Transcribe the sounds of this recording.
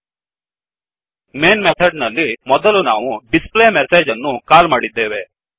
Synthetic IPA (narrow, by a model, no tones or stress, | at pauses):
meːnmet̪ʰɐɖnɐlːimɔd̪ɐlunaːʋuɖispleːmeseːd͡ʒɐnːukaːlmaːɽid̪ːeːʋe